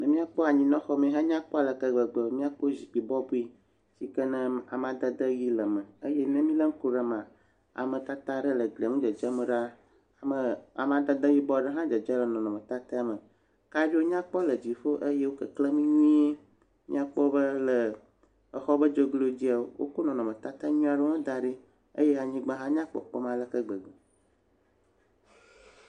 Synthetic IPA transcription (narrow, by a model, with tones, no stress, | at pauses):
nɛ̃˨mĩ˦a˦k͡pɔ˦a˨ɲĩ˨nɔ̃˦xɔ˦mẽ˦ɦã˦ɲã˦k͡pɔ˦a˨lə˨kə˨ɡ͡bə˨ɡ͡bə˨˦mĩ˦a˦k͡po˦zi˨k͡pi˨bɔ˦bu˦i˦ | si˨kə˦nɛ̃˦a˨m˦ã˨d̪ə˦d̪ə˦ji˦lə˨mə˨ə˦je˦nɛ̃˦mĩ˦lə˦ŋ̩˦ko˨ɖə˨mã˨ | a̰˨mə̃˨t̪a˦t̪a˦ɖə˦lə˨ɡle˨ŋũ˦d͡ʒə˨d͡ʒə˦mə̃˨ɖa˦ | a˨mə˨a̰˨m˦ã˨d̪ə˦d̪ə˦ji˦bɔ˦ɖə˦ɦã˦d͡ʒə˨d͡ʒə˦lə˨nɔ̃˨nɔ̃˨mə̃˨t̪a˦t̪e˦a˦mə̃˨ | ka˦bi˦wo˦ɲã˦k͡pɔ˦lə˨d͡ʑi˨fo˦ʔe˦je˦wo˦kə˨kle˦mĩ˦ɲĩ˦e˦ | mḭ̃˦a˦k͡pɔ˦bə˦lə˨ | ɛ˨xɔ˦bə˦d͡ʒo˦ɡlo˦d͡ʑi˦a˨o˦wʔo̰˦ko˦nɔ̃˨nɔ̃˨mə̃˨t̪a˦t̪a˦ɲũ˦a˨ɖɛ˦mẽ˦d̪a˦ɖi˦ | e˦je˦a˨ɲĩ˦ɡ͡bã˦ɦã˦ɲã˦k͡pɔ̰˨k͡pɔ˦mã˦lə˦kə˦ɡ͡bə˨ɡ͡be˨